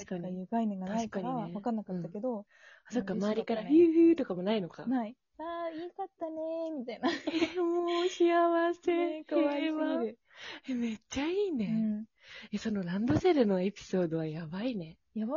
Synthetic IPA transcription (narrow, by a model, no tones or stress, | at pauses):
aɕi̥kaɲjɯɡainẽ̞ŋɡat̪naiikaɲɾiaβakãnːakatt̪ːake̞d̪o̞ | aso̞kːamaːɾʲikaɾaɸɯ̟ːɸɯ̟ːt̪o̞kamo̞naino̞ka̰nai | aːikat̪ːanemʲit̪ainaemooːɕiaβase̞ | βa | eme̞t͡ɕːaiːne̞ | eso̞no̞ɾãnd̪o̞seɾɯ̟no̞e̞pʲi̥so̞ːd̪o̞βajabaine̞ | ja